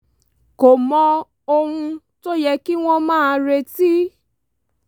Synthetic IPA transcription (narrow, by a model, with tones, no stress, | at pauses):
ko˨mɔ̃˧ | o˧hũ˧ | to˦jɛ˧ki˦w̃ɔ̃˧mãː˦˨˧ɾe˧ti˦